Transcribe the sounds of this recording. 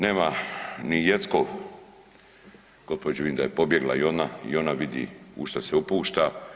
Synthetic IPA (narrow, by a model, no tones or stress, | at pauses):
neːmanijet̪sko | ɡ̥ospod͡ʒeʋind̪ajepo̞bje̞ɡla̰io̞naḭo̞naʋid̪ḭṵʃt̪aseupuːʃt̪a